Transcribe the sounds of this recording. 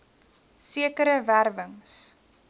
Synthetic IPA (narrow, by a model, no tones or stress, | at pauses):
siəkəɾəværvəŋs